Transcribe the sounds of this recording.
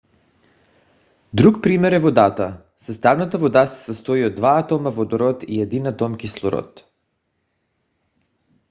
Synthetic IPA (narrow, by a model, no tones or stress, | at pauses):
d̪ɾukpɾimɛɾɛvod̪at̪a | sɛst̪avnat̪avod̪asḁsast̪ɔiod̪ːvaat̪ɔmavɔd̪ɔɾɔt̪iɛd̪inat̪ɔmkislˠɔɾɔ̰t̪